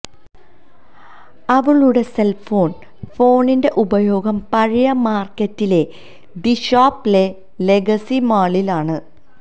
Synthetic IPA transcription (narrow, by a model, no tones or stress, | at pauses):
ɐʋɐɭuːɽe̞se̞lfo̞ːɳ | fo̞ːɳinde̞ʔubɐjo̞ːɡɐmpɐɻijɐmaːrkːɐtːile̞ | d̪iɕaːpːile̞ | le̞ɡɐsimaːɭilaːɳɨ